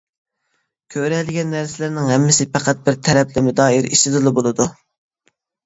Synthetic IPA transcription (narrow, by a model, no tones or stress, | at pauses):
kʲʰøɾɛlɪɡʲɛnːæɾsɪlɪɾnɪŋɦɛmːɪsɪpæqʰæt̪̚bɪɾt̪ʰɛɾɛplɪmʊd̪ɑːiɾiʃt̪ɪd̪ɨlˠɨbolˠɨd̪u